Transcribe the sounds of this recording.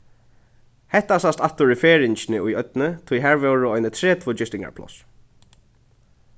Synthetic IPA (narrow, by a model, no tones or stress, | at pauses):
hɛht̪asast̪at̪ʊɹɪfeːɹɪɲt͡ʃnɪujœt̪nɪt̪ʰujɦæːɹvɛːwɹʊɔjnɪt̪ʰɾɛːt̪ʰvoːd͡ʒɪst̪ɪŋka̰ɹpʰlɔ̰s